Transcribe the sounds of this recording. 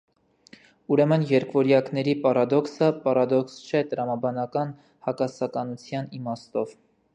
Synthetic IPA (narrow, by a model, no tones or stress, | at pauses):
uɾɛmənjɛɾkvɔɾjɑknɛɾipɑɾɑd̪ɔksəpɑɾɑd̪ɔkst͡ʃʰɛt̪əɾɑmɑbɑnɑkɑn | hɑkɑsɑkɑnut͡sʰjɑnimɑst̪ɔv